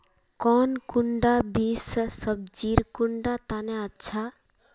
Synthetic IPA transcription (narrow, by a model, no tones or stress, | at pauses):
kɔːnkuɳɖabiːssəb̚d͡ʒiːɾkuɳɖat̪aneətːʃʰa